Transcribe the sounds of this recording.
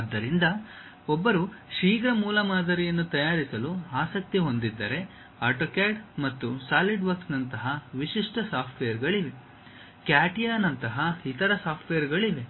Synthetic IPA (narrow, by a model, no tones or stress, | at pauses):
ɐd̪ːɐɾind̪ɐ | ɔbːɐɾuʂiːɡɾɐmuːlɐmaːd̪ʱɐɾijɐnːut̪ɐjaːɾisɐluaːsɐk̚t̪iɦo̞nd̪id̪ːɐɾe̞ | aːɾʈokaːɖmɐt̪ːusaːliɖʋɐɾksnɐnt̪ɐɦɐʋiʂiʂʈɐsaːpʰʈʋejɐɾɡɐɭiʋe̞ | kjaːʈijaːnɐnt̪ɐɦɐit̪ɐɾɐsaːpʰʈʋejɐɾɡɐɭiʋe̞